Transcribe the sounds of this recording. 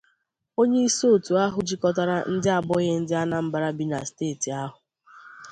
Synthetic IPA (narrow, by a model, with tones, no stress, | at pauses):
o˦ɲe˦i˦so˦˨tu˨a˦ɦʊ˨d͡ʒi˦kɔ˦ta˦ɾa˦n̩˦dɪ˦a˨bɔ˦ɣe˦n̩˦dɪ˦a˦na˦m̩˦ba˨ɾa˦bi˦na̰˨steː˦˨ti˨a˦ɦʊ˨